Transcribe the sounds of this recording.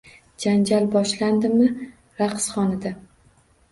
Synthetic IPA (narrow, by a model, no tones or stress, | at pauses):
d͡ʒand͡ʒalbɒʃland̪ɪmɪ | ɾaqsχɒnɪd̪a